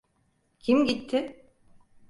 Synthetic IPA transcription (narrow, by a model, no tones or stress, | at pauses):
cʰimɟit̪ʰːɪ